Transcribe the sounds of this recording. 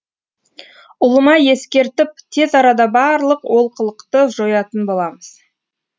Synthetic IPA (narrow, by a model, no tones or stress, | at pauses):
ʊlˠəmɑje̞skʲe̞ɾt̪ɪp̚t̪ʰe̞zɑɾɑd̪ɑbɑɾlˠəqwo̞lˠqəlˠəqt̪əʒo̞jɑt̪ənbo̞lˠɑməz̥